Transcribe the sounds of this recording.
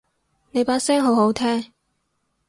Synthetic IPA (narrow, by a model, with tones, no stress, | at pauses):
ne˨˧jpaː˨˥t̚sɛː˥ŋɦo˨˥wɦo˨˥wt̪ʰɛː˥ŋ